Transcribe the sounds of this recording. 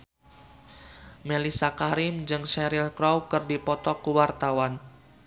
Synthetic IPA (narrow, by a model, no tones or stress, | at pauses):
melisakaɾɪmd͡ʒɨŋʃɛɾilkɾɔwkɨrdipɔt̪ɔkuwart̪awan